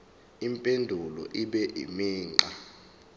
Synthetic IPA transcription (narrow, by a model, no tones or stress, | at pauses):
impʼendʱulɔ̰ʔiɓɛʔḭmiːŋ͡ǃa